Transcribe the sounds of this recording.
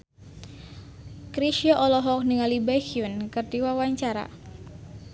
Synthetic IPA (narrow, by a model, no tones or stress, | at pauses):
kɾiʃiɔʔɔlɔɦɔk̚niŋalibakiunkɨrdiwawaɲt͡ʃaɾa̰